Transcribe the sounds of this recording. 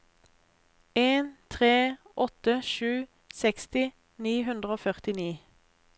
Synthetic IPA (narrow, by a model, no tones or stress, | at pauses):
eːnt̪ʰʁeːɔt̪əʃʉː | sɛkst̪ɪ | niːɦʉnd̪ʁəoːfœʁt̪ɪniː